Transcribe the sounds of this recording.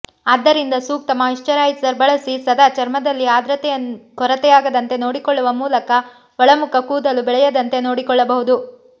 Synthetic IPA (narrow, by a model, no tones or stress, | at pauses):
ɐd̪ːɐɾind̪ɐsuːk̚t̪ɐmɐiʂt͡ʃɐɾaːjisɐɾbɐɭɐsisɐd̪aːt͡ʃɐɾmɐd̪ɐlːiaːd̪ɾɐt̪ɛjɐnɡʱɔɾɐt̪ɛjaːɡɐd̪ɐnt̪e̞no̞ːɽikɔɭːuʋɐmuːlɐkɐ | ʋɔɭɐmukɐkuːd̪ɐlubɛɭɛjɐd̪ɐnt̪e̞no̞ːɽikɔɭːɐbɐɦud̪u